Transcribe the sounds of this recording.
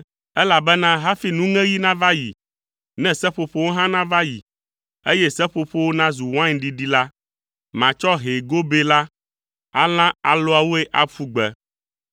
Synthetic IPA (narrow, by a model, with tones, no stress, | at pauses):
ɛ˦la˨bɛ˦nã˦ɦa˦fi˦nũ˦ŋɛ̃˦ji˦nã˦va˦jḭ˨ | nɛ̃˦sɛ˦ɸo˨ɸo˦wo˦ɦã˦nã˦va˦jḭ˨ | e˦jɛ˦sɛ˦ɸo˨ɸo˦wo˦nã˦zu˨w̃ã˦ɲɖi˨ɖi˦la˦ | mã˨t͡ʃɔ˦ɦe˨ɡo˦be˦la˦ | a̰˦lã˦a˨lo˦a˨wo˦e˦ʔa˦ɸu˦ɡ͡bɛ˦